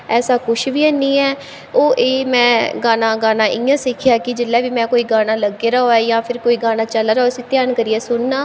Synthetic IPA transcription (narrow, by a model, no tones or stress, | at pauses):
ɛːsaːkʊʃʰbiːɛːniːɛː | oːʔeːmɛ̃ːɡaːnãːɡaːnãːʔɪjãːsɪkʰɪjaːkɪd͡ʒɪlːɛːʋiːmɛ̃ːkoːiːɡaːnaːləɡːeːɾaoːɛːjãːpʰɪɾkoːiːɡaːnaːt͡ʃəlaːɾaːsĩːt̪ɪjaːnkəɾiːɛːsʊnːaː